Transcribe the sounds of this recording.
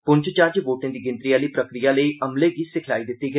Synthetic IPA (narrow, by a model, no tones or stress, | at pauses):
pʊɲt͡ʃt͡ʃaːɾd͡ʒboːʈɪ̃ŋd̪iːɡɪ̃nt̪ɾijaːliːpɾəkɾijaːləiːʔəmleːɡiːsɪkʰlaːiːd̪ɪt̪ːiːɡə